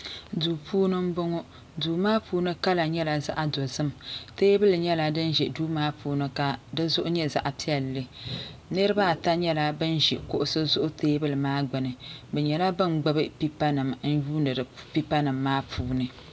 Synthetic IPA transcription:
duː˨pʰuː˦nɨ˦m̩˦bo˦ŋo˦ | duː˨maː˦puː˦nɨ˦ka˦la˨ɲɛ˦la˦za̰˦ʔa˨do˨zɨ˦mteː˦bɨ˦lɨ˨ɲɛ˦la˨dɨ˦nʒɛ˨duː˦maː˦pʰuː˦nɨ˦ka˨dɨ˦zʊ˦ʔʊ˦ɲɛ˦za̰˦ʔa˨pi˦ɛ˨lːɨ˦nɨ˦ɾɨ˦ba˦˨ta˦ɲɛ˦la˦bɨ˦nʒɛ˨kʊ˦ʔʊ˦sɨ˦zʊ˦ʔʊ˦teː˦bɨ˦lɨ˨maː˦ɡ͡bɨ˨nɨ˨bɛ˨ɲɛ˨la˦bɨ˦nɡ͡ba˦bɨ˦pi˦pa˦nɨ˨mn̩˦juː˦nɨ˨ɾpi˦pa˦nɨ˨mːaː˦pʰuː˦nɨ˨

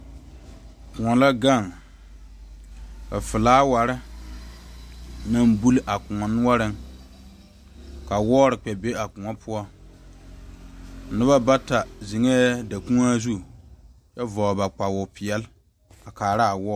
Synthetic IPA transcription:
kʊ̃˨ŋɔ˨la˦ɡa˦˨ŋ | ka˨fɪ˨laː˦wa˨ɾɪ˦ | na˦mbu˦lʔa˨kʊ˨ŋɔ˨nʊ˦ɔ˦ɾɪ˦ŋ | ka˨wɔː˦ɾɪ˨k͡pɛ˨be˦a˨kʊ˨ŋɔ˦pʰʊ˦ɔ˦˨˦ | nʊ˦ba˦ba˦ta˨zi˨ŋe˦da˨kũ˦a˦zu˦ | jɛ˦vɔː˨ba˨k͡pa˨wʊ˨pɪ˨ɛ˨l | a˨kaː˨ɾa˦a˨wɔː˦

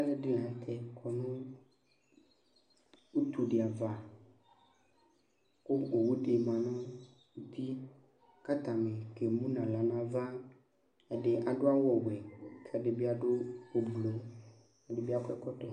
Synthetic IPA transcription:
a˦le˦ɖi˦lã˨˦t̪ʰɛ˦kʰɔ˨nũ˦ | u˦t̪u˨ɖe˨a˨va˨ | ko˦o˨wu˦ɖe˨mã˨nɔ̃˦ | u˦t̪ʰi˦ | ka˦t̪ã˨mẽ˨ke˨mũ˦nã˨la˨nã˦vã˦ | e˨ɖe˦ʔa˨ɖo˦a˦wɔ˨wɛ˨kʰe˦a˨ɖe˨bi˦a˨ɖo˦o˨blo˨ | a˨ɖe˨bi˦a˦kɛ˦kɔ˦t̪ɔ˨

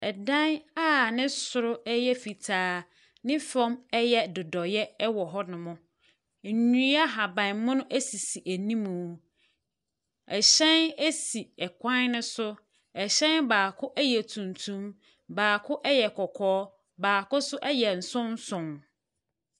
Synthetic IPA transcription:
ɛ˨dã˦na˦nɪ̃˦sʊ˨ɾʊ˦ɛ˦jɛ˦fi˨tʰaː˦ | nɪ̃˦fɔ̃˦mɛ˦jɛ˦dʊ˨dɔ˨jɛ˦wɔ˨ɦɔ˦nʊ̃˨mʊ̃˦˨ | ɲũ˦a˦ɦa˨bã˨˦mʊ̃˦nʊ̃˦ʔæ˦si˨si˨ʔæ˨nĩ˦mũ˨˦ | ɛ˨ɕɛ̃˦næ˦si˨ɛ˨kʰʷã˦nnʊ̃˦sʊ˦ | ɛ˨ɕɛ̃˦nbaː˨kʰʊ˦ʔɛ˦jɛ˨tʰũ˨ntʰũ˦m | baː˨kʰʊ˦ʔɛ˦jɛ˨kʰɔ˨kʰɔː˦ | baː˨kʊ˦sʊ˦ʔɛ˦jɛ˨n̩˨sʊ̃˦n˦sʊ̃˨m

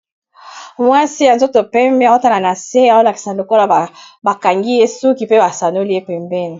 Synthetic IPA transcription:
mwa˦si˦ja˨nzo˦to˨pɛ˦mbe˦˨o˦ta˦la˨na˨se˦a˨o˦la˨ki̥˨sa˨lo˨ko˦la˨a˨ | ba˨ka˨ŋɡi˦je˦su˦ki˨pe˦ba˨sa˨no˦li˦je˦pɛ˨mbɛ˦ni˨

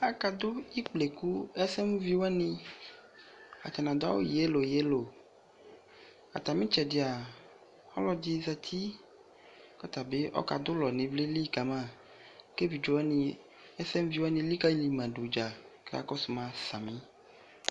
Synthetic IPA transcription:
a˨ka˨d̪o˦i˦k͡ple˨ku˦ɛ˦sɛ˦m˦vi˦wɛ˦nĩ˦ | a̰˨t͡ʃa˨nã˨d̪a̰˦wo̰˦je˨˦lo˨je˨˦lo˨ | a̰˨t̪a˨mĩ˦t͡ʃɛ˨di˨a˨ | ɔ̰˦lɔ˦d͡ʒi˦zɛ˨t̪ʰi˦ | kɔ˦t̪a˨be˦ʔɔ̰˦ka̰˨d̪o˦lɔ˨nĩ˨ble˦li˦˨ka˨mã˦ | ke˦vi˨d͡ʒo˨wɛ˦nĩ˨ | ɛ˦sɛ˦m˦vi˨˦wɛ˦nĩ˧li˦ka˦i˦li˨mã˨ɖo˨d͡ʒa˨ke˦a̰˦kɔ˦su˨mã˨sa˨mĩ˦

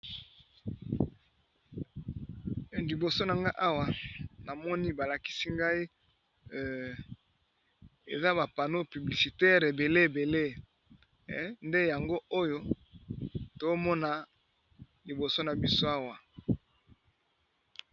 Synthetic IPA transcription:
li˨bo˨so˦na˨ŋɡa˦ʔa˦wa˨na˨mɔ˦ni˦ba˨la˨ki̥˦si˦ŋɡa˦i˦ | ḛ˨za˦ba˨pa˨no˦py˨bli˨si˨tɛ˦ʁe˨be˨le˦e˨be˨le˦ | nde˦ja˨ŋɡo˦o˦jo˦ | to˨˦mɔ˦na˦ | li˨bo˨so˦na˨bi˦so˦a˦wa˨

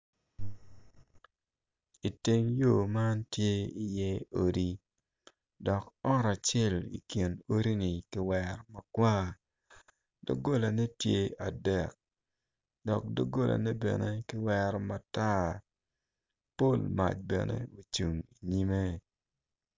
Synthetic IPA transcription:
i˨te˦ŋjo˦˨ma˦ntje˦i˨jɛ˦o˦ɾi˦ | dɔ˨kɔ˦ɾa˨t͡ʃɛ˦˨lḭ˨kji˨no˦ɾi˦ni˨kɪ˦wɛɾɔ˨ma˨kwa˦ | do̰˦ɡo˦la˨ne˦tje˦a˨dɛ˨k̚ | dɔ˨k̚do˦ɡo˦lʔa̰˨ne˦bɛ̰˨ne˦kɪ˦wɛɾɔ˨ma˨ta˦ | po˦˨lma̰˨t͡ʃ̚bɛ̰˨nḛ˦o˨t͡ʃu˨ŋi˨ɲi˦me˦

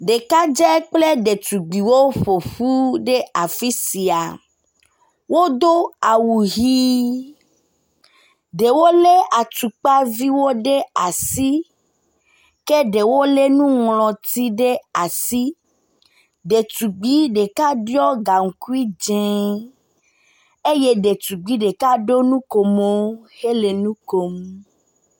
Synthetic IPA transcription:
ɖe˨ka˦d͡ʒɛ˦k͡ple˦ɖe˨t̪u˨ɡ͡bi˨wo˦ɸo˨ɸu˦ɖe˦a˨fi˦si˨a˨ | wo˦d̪o˦a˨wu˨ɦi˦ | ɖe˨wo˦le˦a˨t̪u˨k͡pa˦vi˦wo˦ɖe˦a˨si˦ | ke˦ɖe˨wo˦le˦nũ˦ŋlɔ̃˨t̪i˦ɖe˦a˨si˦ | ɖe˨t̪u˨ɡ͡bi˦ɖe˨ka˦ɖjɔ˦ɡa˨ŋ̩˨ku˦i˦d͡ʒẽ˨˦ | e˦je˦ɖe˨t̪u˨ɡ͡bi˦ɖe˨ka˦ɖo˦nũ˦ko˨mo˦he˦le˨nũ˦ko˨m

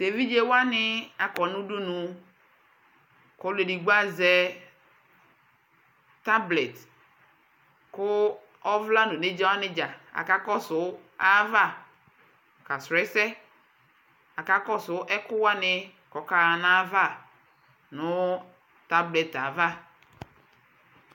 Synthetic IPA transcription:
se˨vi˦d͡ʒe˦wa˦nɪ˦a˨kɔ˨nʊ̃˦du˦nʊ̃˨ | kɔ˨˦le˨di˨ɡ͡ba˦zɛ˦ | ta˦blɛ˨t | kʊ˦ | ɔ˦vla˦nʊ̃˨ne˦d͡ʒa˦wa˦nɪ˦d͡ʒa˨a̰˨ka˦kɔ˦sʊ˨a˦va˦˨ | ka˨sɾɛ˨˦sɛ˦ | a˨ka˦kɔ˦sʊ˨˦ʔɛ˦kʊ˦wa˦nɪ˦ | kɔ˨ka˦˨na˦va˦˨ | nʊ˦ | ta˦blɛ˨ta˨va˦

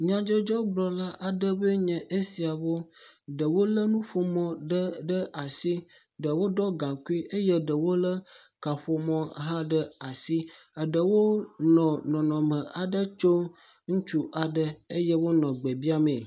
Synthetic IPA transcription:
ɲã˨d͡ʒo˦d͡ʒɔ˦ɡ͡blɔ˨la˦ʔa˨ɖə˦bə˦ɲɛ̃˨ʔe˦si˨a˨wo˦ɖə˨wo˦lə˦nũ˦ɸo˨mɔ̃˨ɖə˦ɖə˦ʔa˨si˦ | ɖə˨wo˦ɖɔ˦ɡã˨ku˦i˦ʔe˦je˦ɖə˨wo˦lə˦ka˨ɸo˨mɔ̃˦ɦã˦ɖə˦a˨si˦a˨ɖə˨wo˦nɔ̃˨nɔ̃˨nɔ̃˨mə̃˨ʔa˨ɖə˦t͡ʃo˦ | ŋu˦t͡ʃu˦ʔa˨ɖə˦e˦jɛ˦wo˦nɔ̃˨ɡ͡be˨bi˦a˦mẽ˨

